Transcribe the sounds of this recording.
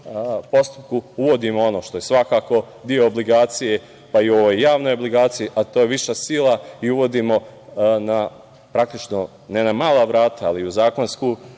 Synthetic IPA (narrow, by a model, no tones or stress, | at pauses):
po̞st̪u̥p̚kuuʋo̞d̪imoo̞no̞ːʃt̪o̞je̞sʋakaːko̞ | d̪io̞ːbliɡaːt̪sije̞ | paioʋojːaːʋno̞jobliɡaːt̪sijiʔat̪oːjeʋiʃasilˠaiuʋo̞d̪iːmo̞ | na | pɾakt̪it͡ʃno̞ | nenamaːlˠaʋɾaːt̪aːliuzaːko̞nskuː